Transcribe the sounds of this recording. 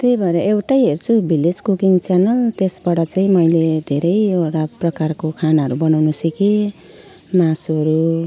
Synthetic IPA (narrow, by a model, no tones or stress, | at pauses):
t̪ejbʱʌɾeʔewʈajɦert͡sʰubiled͡zkukiŋt͡sanʌlt̪esbaɽʌt͡saĩmʌjled̪ʱeɾʌjewʈaprʌkarkokʰanaɦʌɾubʌnawnusiki | masuɦʌɾu